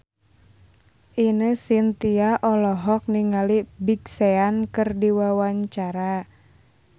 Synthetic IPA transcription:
ʔinəsint̪iaʔɔlɔɦɔk̚niŋalibiɡseankɨrdiwawaɲt͡ʃaɾa

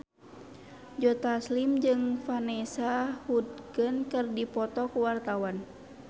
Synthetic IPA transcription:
d͡ʒɔt̪aslimd͡ʒɨŋfanɛsahut̪̚ɡənkɨrdipɔt̪ɔkuwart̪awan

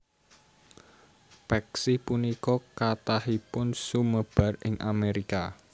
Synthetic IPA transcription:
pɛksɪpunikɔkat̪ahipʊnsuməb̥a̤rɪŋʔa̰meɾika

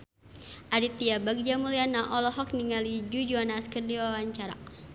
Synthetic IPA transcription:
ʔadit̪iabaɡ̚d͡ʒamulianaʔɔlɔɦɔk̚niŋalid͡ʒud͡ʒuanaskərdiwawaɲt͡ʃaɾa̰

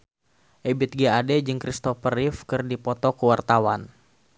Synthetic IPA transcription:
ʔɛbit̪̚ɡiadɛd͡ʒɨŋkɾist̪ɔfərifkɨrdipɔt̪ɔkəwart̪awan

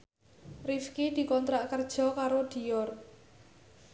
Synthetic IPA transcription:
rifkid̪̥i̤kɔnt̪ɾaʔkərd̥ʒ̥ɔ̤kaɾod̪̥i̤jɔr

